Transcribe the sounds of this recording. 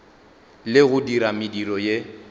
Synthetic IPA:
lɪɣʊdiɾamɪdiɾɔje

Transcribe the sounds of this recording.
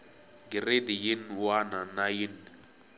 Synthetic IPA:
ɡiredijinwananajinː

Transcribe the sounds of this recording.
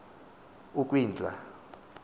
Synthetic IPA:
uk̬ʼwiːnd͡ɮʱʼa

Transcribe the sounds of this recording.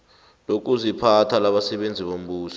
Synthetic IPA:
lok̬ʼuzipʰatʰalaɓasɛɓend͡zʱiɓom̩ɓuːsɔ̥

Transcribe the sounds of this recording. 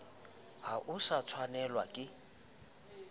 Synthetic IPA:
haʔʊsat͡sʰwanɛlwakʼɪ

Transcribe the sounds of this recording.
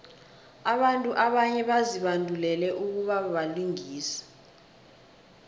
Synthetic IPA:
aɓantʼuʔaɓaɲɛɓaziɓandʱulɛlɛʔuk̬uɓaɓaliŋiːsɛ̥

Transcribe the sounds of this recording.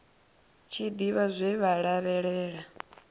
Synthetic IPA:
t͡ʃʰid̪iβazʷɛβaɺaβɛɺɛːɺa

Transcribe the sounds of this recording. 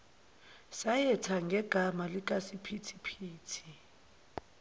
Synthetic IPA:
sajɛtʰaŋɡʱɛɡ̥ʱamalik̬ʼasipʰitʰi̥pʰiːtʰi̥

